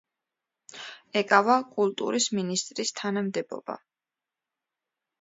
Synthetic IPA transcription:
ɛkʼavakʼulˠt̪ʼṵɾisminist̪ʼɾist̪ʰanamd̪ɛbɔ̰ba̰

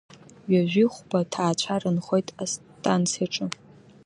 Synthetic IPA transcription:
ɥaʒᶣiχʷbatʰaːt͡ɕʷʰarɨnχojtʼastʼant͡sʰiaʈ͡ʂʼɨ

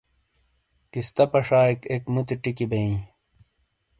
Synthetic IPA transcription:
kist̪ɐpɐʂaːikekmut̪iʈikibẽĩ

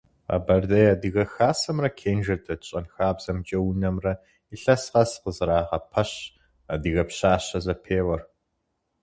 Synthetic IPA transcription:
a̰ːbɐrdɐjadɨɣɐxaːsɐmrɐkʰeːnʒɐtʰʼɐɕʼɐnxaːbz̥ɐmt͡ʃʼɐwunɐmrɐ | iɬɐsqɐsqəzɨɾaːʁɐpʰɐɕ | adɨɣɐpɕaːɕɐzɐpʰeːwɐr

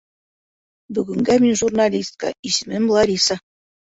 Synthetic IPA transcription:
bɵɡɘ̆ŋɡæmʲinʲʐurnɑlʲist̪̚kɑ̰iʑɘmʲɘ̆nʲblˠɑɾʲisɑ̆

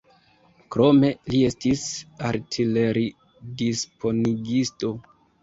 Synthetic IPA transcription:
kɾo̞me̞liestisaɾtʰile̞ɾi | dispʰo̞niɡisto̞

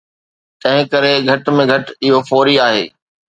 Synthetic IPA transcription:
t̪ɐ̃ɦɪ̃kɐɾeɡʱɐʈmẽɡʱɐʈɪɦofɔːɾiaːɦḛː

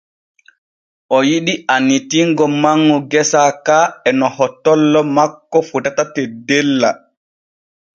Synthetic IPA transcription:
ʔɔjiɗiʔanːitiŋɡɔmaŋːuɡɛsakaɛnɔhɔtːɔlːɔmakːɔfutatatɛdɛlːa

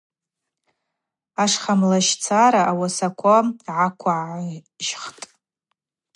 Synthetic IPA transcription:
aʂχamlaʃt͡sʰaɾaʔawasakʷʰaʕakʷʰaʕʕa | ʒχtʼ

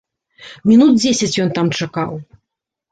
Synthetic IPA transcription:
mʲinut̪̚d͡zʲesʲɐt͡sʲjɔnt̪amt͡ʂakaw

